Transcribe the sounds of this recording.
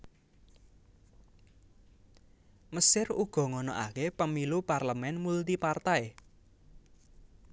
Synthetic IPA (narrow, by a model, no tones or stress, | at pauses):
məsɪruɡ̥ɔ̤ŋɔnɔ̰ʔa̰kepəmiluparləmɛnmult̪ipart̪ae